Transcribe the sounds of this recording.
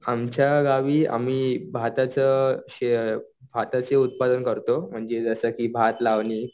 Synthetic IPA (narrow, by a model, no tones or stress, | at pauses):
amt͡ɕjaɡaʋiːa̰miːbʱat̪at͡səɕe | bʱat̪at͡seut̪̚pad̪ənkəɾt̪om̤əɳd͡zed͡zəsəkiːbʱat̪laʋniː